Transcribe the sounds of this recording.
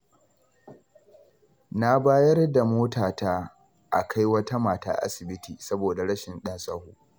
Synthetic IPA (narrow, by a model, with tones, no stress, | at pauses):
na˦baː˦jɐ˦rda˨moː˦taː˨taː˦ | ʔa̰˨kʰa˦jwɐ˦ta˦maː˨ta̰ː˦ʔa̰˦sɪ˨bɪ˦tʰiː˨sɐ˦boː˨da˨ɽɐ˦ʃɪ˨nɗɐ˦nsʼɐ˦huː˦˨